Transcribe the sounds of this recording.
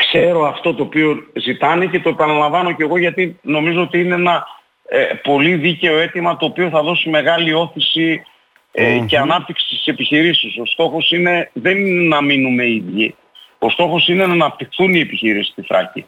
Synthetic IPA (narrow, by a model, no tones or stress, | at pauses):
kse̞ɾo̞ɐft̪o̞t̪o̞ːpio̞zit̪ɐne̞ce̞t̪o̞e̞pɐnɐlɐɱvɐno̞ce̞ɣo̞ʝɐt̪ino̞mizo̞ot̪iineenɐ | po̞liðice̞o̞e̞t̪imɐt̪o̞ːpio̞θɐðo̞sime̞ɣɐlio̞θisi | ece̞ɐnɐp̚t̪iksi̥st̪i̥se̞piçiɾisiso̞st̪o̞xo̞sine̞ðe̞nnɐminume̞iðʝi | o̞st̪o̞xo̞sine̞nɐnɐpt̪ixθunie̞piçiɾisi̥st̪iθɾɐ̰cḭ